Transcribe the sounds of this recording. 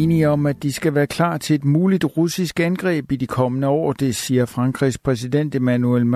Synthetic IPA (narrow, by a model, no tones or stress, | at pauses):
niɒ̽mæd̥isɡ̥æʋæːɐkʰl̥ɑ̰̈ːt͡sʰe̝e̝d̥muːlid̥ʁusisɡ̥ænɡ̥ʁɛ̰ːb̥id̥ikʰɒ̽mənəɒ̰ːd̥e̝siːɐfʁɑ̈ŋɡ̥ʰʁispʰʁɛs̬id̥en̰d̥e̝mænuelm